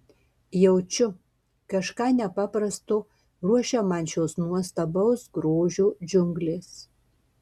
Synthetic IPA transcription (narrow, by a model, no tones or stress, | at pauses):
jɛʊt͡ʃʲʊ | kɐʃkɑːnʲɛpɑːpɾɐst̪ʊ | ɾuɔʃʲɛmɐnʲt͡ʃʲoːsnuɔst̪ɐbɐʊsɡɾoːʒʲuːd͡ʒʲʊŋɡlʲeːs